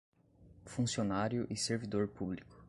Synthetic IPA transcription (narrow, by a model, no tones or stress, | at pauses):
fũsionaɾjʊʔɪseɾvid̪oɾpublikʊ̥